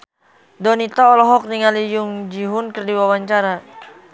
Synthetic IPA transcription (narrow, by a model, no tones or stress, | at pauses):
dɔnit̪aɔlɔɦɔk̚niŋalijʊŋd͡ʒiɦʊnkərdiwawaɲt͡ʃaɾa